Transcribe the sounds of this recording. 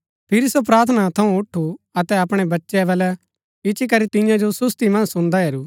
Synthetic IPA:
pʰɪɾisop̬ɾaːɾt̪ʰənat̪ʰɐũʊʈʰːuɐt̪ɛɐpɽ̃ɛbɐtːʃɛʋɛːlɛ | ɪt͡ʃik̬ɐɾit̪ɪ̃jãd͡ʒosʊst̪imɐ̃nsʊ̃nd̪aɦeːɾuː

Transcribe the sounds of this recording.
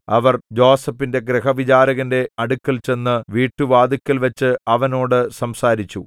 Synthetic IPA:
ɐ̰ʋɐrd͡ʑoːsɐpːinde̞ɡɾeɦɐʋid͡ʑaːɾɐɣɐnde̞ɐɽukːɐlt͡ɕe̞nːɨʋiːʈːuʋaːd̪ikʲːɐlʋɐt͡ɕːɨɐʋɐno̞ːɽɨsɐmsaːɾit͡ɕːu

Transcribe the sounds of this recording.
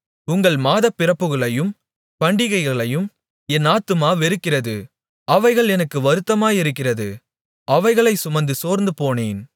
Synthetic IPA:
ʊŋɡɐɭmaːðɐpːɪrɐpːɯɣɐɭɐjɯm | pɐɳɖɪɣɐɪɣɐɭɐjɯm | ɛnaːt̪ːɯmaːʋɛɾɯkːɪrɐðɯ | ɐʋɐɪɣɐɭɛnɐkːɯʋɐɾɯt̪ːɐmaːjɪɾɯkːɪrɐðɯ̰ | ɐʋɐɪɣɐɭɐɪsʊmɐnd̪ɯsoːɾnd̪ɯpoːneːn

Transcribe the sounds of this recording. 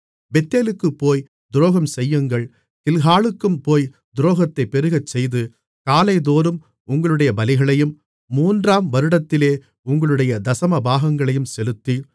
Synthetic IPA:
bɛt̪ːeːlɯkːɯpːoːj | d̪ʊɾoːɣɐmsɛjːɯŋɡɐɭ | t̪ɪlɣaːɭɯkːɯmpoːj | d̪ʊɾoːɣɐt̪ːɐɪpːɛɾɯɣɐt͡ʃsɛjðɯ | kaːlɐɪðoːɾɯm | ʊŋɡɐɭɯɽɐjɐbɐlɪɣɐɭɐjɯmː | uːndraːmʋɐɾɯɽɐt̪ːɪleː | ʊŋɡɐɭɯɽɐjɐd̪ɐsɐmɐbaːɣɐŋɡɐɭɐjɯmsɛlɯt̪ːi

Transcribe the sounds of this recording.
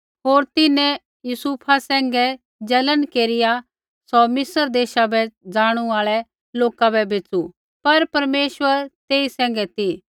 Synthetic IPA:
ɦoːɾt̪ɪnɛ̃ | jusuːpʰasɛ̃ːŋɡɛ | d͡ʒɐlənkeːɾɪja | sɔmɪsəɾd̪eːʃabɛd͡ʒaːɽ̃uaːɭɛ | loːkabɛbʱeːt͡su | pɐɾpɐɾmeːʃʋəɾt̪eːisɛ̃ːŋ̆ɡɛt̪i

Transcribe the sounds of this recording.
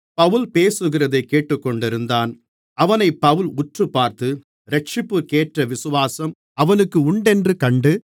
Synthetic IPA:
pɐʋɯlpeːsɯɣɪrɐðɐɪkːeːʈːɯkːɔɳɖɪɾɯnd̪aːn | ɐʋɐnɐɪpːɐʋɯlʊʈrɯpːaːɾt̪ɯ | ɾɛʈ̚t͡ʃɪpːɯkeːʈrɐʋɪsɯʋaːsɐm | ɐʋɐnɯkːɯʊɳɖɛndrɯkɐɳɖɯ

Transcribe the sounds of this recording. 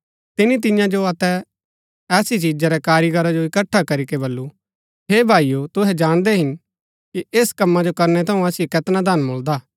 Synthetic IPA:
t̪ɪnit̪̬ɪjãd͡ʒoɐt̪ɛ | ɛːsit͡ʃiːd͡ʒaɾɛkaːɾiɡʱɐɾad͡ʒoɪkəʈʰːakɐɾikebɐlːu | ɦeːbʱaːijot̪ʊɦɛd͡ʒaːɽ̃d̪ɛɦɪn | kieːskɐmːad͡ʒokɐɾnɛt̪ʰɐũɐsɪjekɛt̪nad̪anmoːld̪aː

